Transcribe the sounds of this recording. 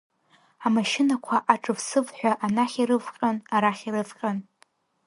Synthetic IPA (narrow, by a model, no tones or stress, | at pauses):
amaʃɪnakʷʰaʔaʈ͡ʂʼɨvsɨvħʷᶣaʔanaχʲiɾɨvqʲʼanaɾaχʲiɾɨfqʲʼan